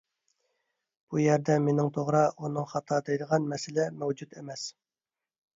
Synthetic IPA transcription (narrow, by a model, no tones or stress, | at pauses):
b̥ujɛɾd̪ɛmenɪŋt̪ʰoʁɾɑunɨŋχɑt̪ʰɑd̪ejd̪əʁɑnmɛsɪlɛmɛwd͡ʒut̪emɛs